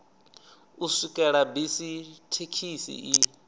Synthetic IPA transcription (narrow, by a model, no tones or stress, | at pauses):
usikʼɛɺabisitʰekʰisḭʔi